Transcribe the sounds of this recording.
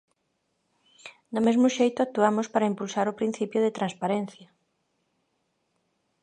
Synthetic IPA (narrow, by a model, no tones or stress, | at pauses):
d̪ʊmezmʊʃejt̪ʊak̚t̪uamʊspaɾɐimpulsaɾʊpɾin̟θipjʊðɪt̪ɾãnspaɾen̟θjɐ